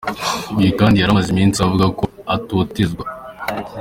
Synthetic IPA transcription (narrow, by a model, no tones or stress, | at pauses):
ijikaːndijaɾamazimiːnsiavuɡako̞ | atutizɡwa